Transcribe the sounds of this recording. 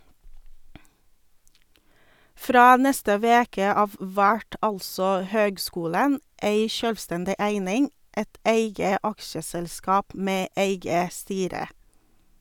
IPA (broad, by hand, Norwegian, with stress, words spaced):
ˈfɾɑː ˈnɛstə ˈʋeːkə ˈɑːʋ ˈʋæʈ ˈɑlsɔ ˈhøːɡˌskuːlən ˈeɪ ˈʃœlʋˌstɛndɪ ˈæɪnɪŋ ˈɛt ˈeɪɡə ˈɑkʃəsɛlˌskɑːp ˈmeː ˈeɪɡə ˈstyːɾə